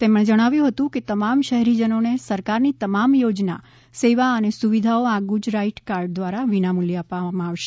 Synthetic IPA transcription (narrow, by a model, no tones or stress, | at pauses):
t̪eməɽẽd͡ʒəɽ̃aʋjũɦət̪ũket̪əmamʃəɦɛɾid͡ʒənonesəɾkaɾnit̪əmamjod͡ʒna̰ | seʋaənesuʋid̪ʱaoaɡud͡ʒɾaiʈkaɾɖ̚d̪ʋaɾaʋinamuljəapʋamãaʋʃe